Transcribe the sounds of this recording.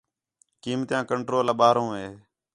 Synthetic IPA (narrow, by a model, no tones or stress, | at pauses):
kiːmt̪jãːkəɳʈɾoːləɓaːɾõːɦeː